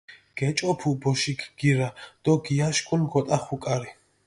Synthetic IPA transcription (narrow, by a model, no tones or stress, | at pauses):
ɡ̥ɛt͡ʃʼɔpʰubɔʃikʰɡ̥iɾad̪̥ɔɡiaʃkʼunɡɔt̪ʼaχukʼaɾi